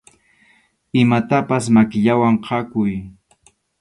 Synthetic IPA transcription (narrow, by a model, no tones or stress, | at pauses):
ɪmat̪apasmakɪʎawaɴqʰɑkʊj